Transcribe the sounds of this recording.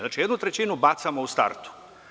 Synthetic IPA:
znaːt͡ʃijed̪nut̪ɾet͡ɕinubat̪samoust̪a̰ɾt̪u̥

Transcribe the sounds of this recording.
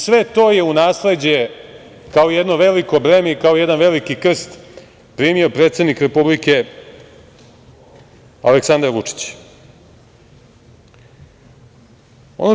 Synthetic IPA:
sʋe̞t̪o̞je̞unaːsle̞d͡ʑe | kaoijed̪no̞ʋe̞liko̞bɾemeikaojed̪anʋe̞likikr̩st̪ | pɾimio̞pɾeːt̪sed̪nikɾepublike | a̰leksand̪aɾʋut͡ʂi̥t͡ɕ | o̰no

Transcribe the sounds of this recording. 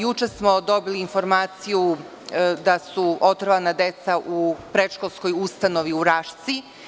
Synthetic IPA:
jut͡ʃesmo̞d̪o̞biliːnfo̞ɾmaːt̪siju | d̪asuot̪ɾʋanad̪et̪saʔupɾetʃko̞lˠsko̞just̪ano̞ʋiuɾaːʃt̪si

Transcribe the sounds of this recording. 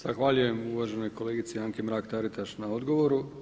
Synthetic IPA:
z̥axʋaʎuje̞muʋaːʒe̞no̞jko̞le̞ːɡit̪siaŋkemɾaːkt̪aɾit̪aʃnao̞d̪ɡo̞ʋo̞ɾu

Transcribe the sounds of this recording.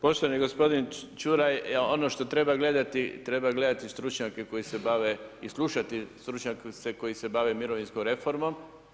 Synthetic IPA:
po̞ʃt̪oaniɡo̞spo̞d̪int͡ʃuɾajonoʃt̪o̞t̪ɾe̞baɡle̞d̪at̪it̪ɾe̞baɡle̞d̪at̪ist̪ɾut͡ʃɲakeko̞jisebaʋeislˠuʃat̪ist̪ɾut͡ʃɲakseko̞jisebaʋemiɾoʋinskomɾe̞fo̞ɾmom

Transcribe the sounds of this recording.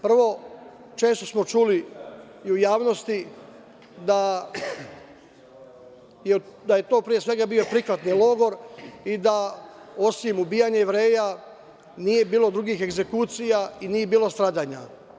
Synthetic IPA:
pr̩ʋo̞ | t͡ʃe̞ːst̪o̞smo̞t͡ʃuliː | ujaːʋnost̪i | d̪a | jed̪aje̞t̪o̞ːpɾijesʋe̞ɡabijo̞pɾixʋat̪nilˠo̞ɡo̞ɾid̪ao̞simubijaɲejeʋɾe̞ːja | nije̞biːlˠo̞d̪ɾuɡiːxe̞ɡze̞kut̪sijainiːje̞biːlo̞st̪ɾaːd̪aːɲa

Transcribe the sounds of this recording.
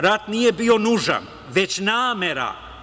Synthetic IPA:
ɾat̪nije̞bio̞nuʒa̰n | ʋe̞t͡ɕnaːme̞ɾa̰

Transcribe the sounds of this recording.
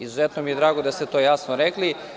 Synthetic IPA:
izuzet̪nomijed̪ɾaːɡod̪ast̪et̪ojasnoɾekli

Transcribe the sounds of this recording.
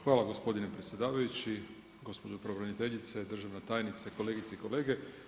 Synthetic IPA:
xʋaːlˠaɡo̞spo̞d̪inepɾet̪sjed̪aːʋajut͡ɕi | ɡo̞spo̞d͡ʒopɾoʋɾenit̪e̞ʎit̪sed̪r̩ʒaʋnat̪aːjnit̪sako̞le̞ːɡit̪seiko̞le̞ːɡe̞

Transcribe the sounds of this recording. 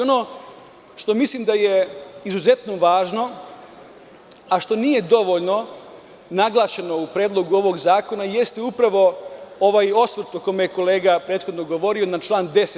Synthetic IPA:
ono | ʃt̪o̞mislimd̪ajeizuze̞t̪noʋaːʒno̞ | aʃt̪o̞nije̞d̪o̞ʋo̞ʎno̞ | naɡlˠaːʃeno̞upɾeːd̪lˠo̞ɡuo̞ʋo̞ɡzaːko̞naje̞st̪ɛupɾaʋo̞o̞ʋajo̞sʋɾt̪oko̞mejeko̞leːɡapɾe̞ːt̪xo̞d̪no̞ɡo̞ʋo̞ɾio̞nat͡ʃlˠaːnd̪e̞se

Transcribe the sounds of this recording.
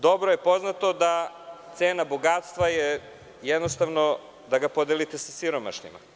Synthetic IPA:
d̪o̞bɾojepo̞znat̪o̞d̪a | t̪seːnaboɡaːt̪st̪ʋaje | jɛd̪nost̪aʋno̞ | d̪aɡapod̪elit̪esasiɾoma̰ʃɲḭma̰

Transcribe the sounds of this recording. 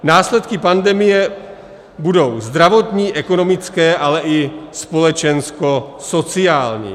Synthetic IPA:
naːslɛt̪kɪpandɛmɪjɛ | budo̞wzd̪ɾavo̞t̪ɲiːʔɛkono̞mɪt͡skɛːʔalɛʔɪspo̞lɛt͡ʃɛnskoso̞t͡siaːlɲḭː

